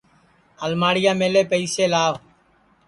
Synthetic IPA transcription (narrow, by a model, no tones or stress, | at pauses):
əlmaːɽɪjaːmeːleːpəiːseːlaːʋ